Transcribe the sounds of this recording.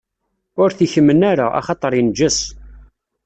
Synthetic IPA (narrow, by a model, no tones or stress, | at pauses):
ʊɾθiçəmːənaɾaʔɑ̰χɑt̪ˤəɾˤind͡ʒəs